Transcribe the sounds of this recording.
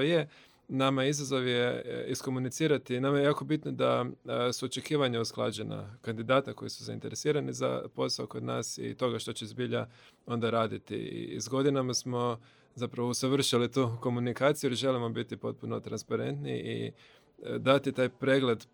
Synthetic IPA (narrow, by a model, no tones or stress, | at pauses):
je | namaizazo̞ʋjeisko̞munit̪siːɾat̪inamajejaːko̞bit̪nod̪asuot͡ʃe̞kiːʋaɲausklˠa̰ːd͡ʑe̞na̰kand̪id̪aːt̪ako̞jisuza̰int̪e̞ɾesiːɾaniza̰po̞saoko̞d̪na̰ːsḭt̪o̞ɡaʃt̪o̞t͡ɕezbiʎa | o̞nd̪aɾaːd̪it̪ḭḭzɡo̞d̪inamasmo̞ | zapɾaʋousaʋr̩ʃilit̪uːko̞munikaːt̪sijuliʒe̞limo̞bit̪ipo̞t̪̚puno̞t̪ɾanspaɾe̞̰nt̪nḭʔḭ | d̪at̪it̪aːjpɾe̞ɡle̞d̪